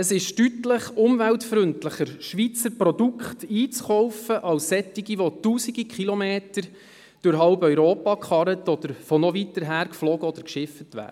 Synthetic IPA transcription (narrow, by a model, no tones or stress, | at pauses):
əsɪʃtytləχʊmvæltfɾʏntləχəɾʃʋit͡səɾprɔdukχtiːt͡sχɔwfəʔɑlsːɛtːiɡiʋɔtuːsiɡikχilɔmeːtəɾ | d̥ʊɾɦɑʊbœʏɾoːpɑkχɑɾətɔd̪əɾfɔnɔʋitəɾɦæːɾkflɔːɡəɔd̥̪əɾkʃɪfətʋæ̰ːdə